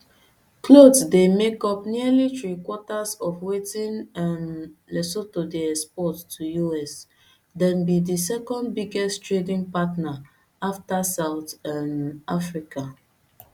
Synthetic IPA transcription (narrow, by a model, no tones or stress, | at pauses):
klodsdemekɔpnilitɹikwɔtasɔfwetĩnanlɛsotodiɛspɔtːʰujuɛs | dɛ̃nbidisɛkɔ̃ndbiɡɛsttɹedĩŋpatna | aftasaʊtãnafɹika